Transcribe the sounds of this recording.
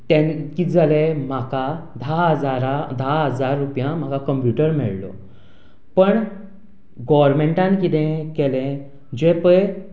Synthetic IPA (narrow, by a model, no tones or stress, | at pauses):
t̪ẽnkid͡zəlem̤akad̪ʱaɦəd͡zaɾad̪ʱaɦəd͡zaɾːupjãm̤akakəmpjuʈəɾmɛ̰ɭlɔ̰ | pəɳ | ɡɔʋəɾmeɳʈãnkit̪ẽkɛlẽ | d͡ʑepəj